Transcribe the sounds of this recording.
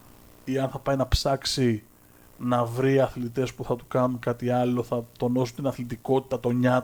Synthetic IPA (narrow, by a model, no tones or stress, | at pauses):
iɐnθɐpɐjnɐpsɐksi | nɐvɾiɐθlit̪e̞spuθɐt̪u̥kɐnukɐt̪iɐlo̞θɐt̪o̞no̞sunt̪inɐθlit̪iko̞t̪i̥t̪ɐt̪o̞ɲɐ